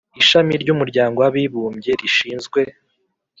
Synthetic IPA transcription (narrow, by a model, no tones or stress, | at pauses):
iʃamiɾɟumuɾɟaːŋɡo̞waβiβuːmɟe̞ɾiʃiːnzɡwe̞